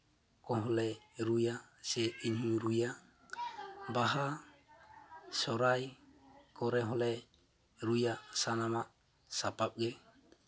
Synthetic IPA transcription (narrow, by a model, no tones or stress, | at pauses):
kɔɦɔlɛɾujasɛinhuɾuja | baɦa | sɔɾajkɔɾɛɦɔlɛ | ɾujaʔsanamaʔ | sapap̚ɡɛ